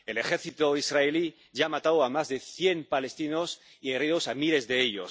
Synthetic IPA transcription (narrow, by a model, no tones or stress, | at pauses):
e̞le̞xe̞ɾθit̪oisraeli | ʝaːmat̪awamazðe̞θje̞mpale̞st̪ino̞s | ieriðosamile̞zðe̞eʎos